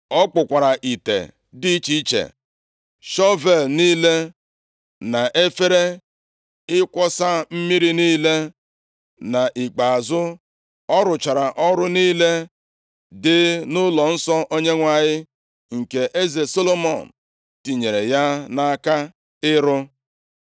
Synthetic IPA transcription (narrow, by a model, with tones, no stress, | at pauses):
ɔ˦k͡pʊ˨kʷa˨ɾa˨ʔi˨tḛ˨ | di˦t͡ʃi˦t͡ʃḛ˨ | ʃɔ˦ve˨lniː˦le˦ | na˨ʔe˦fe˦ɾe˦ | ɪ˦kʷɔ˦sa˦m̩˦mi˦ɾi˦niː˦le˦ | na˨ʔi˨k͡pa˨a˨zʊ˦ | ɔ˦ɾʊ˨t͡ʃa˨ɾa˨ʔɔ˦ɾʊ˦niː˦le˦ | dɪ˦nʊ˦lɔ˨n̩˦sɔ˦ʔo˦ɲe˦ŋʷa˦˨ɲɪ˦ | ŋ̩˨ke˨ʔe˦ze˨so˦lo˦mɔ˨n̩˨ | ti˨ɲe˨ɾe˨ja˦na˦a˦ka˦ | ɪ˦ɾʊ˦